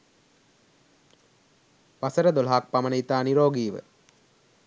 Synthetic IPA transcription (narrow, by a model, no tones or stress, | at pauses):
ʋasəɾəd̪olɦak̚pamənəit̪aːniɾoːɡiːʋə̰